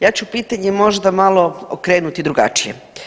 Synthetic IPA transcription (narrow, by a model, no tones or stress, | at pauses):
jaːt͡ɕupiːt̪aɲemo̞ʒd̪amalo̞o̰kɾeːnut̪id̪ɾuɡa̰t͡ʃijḛ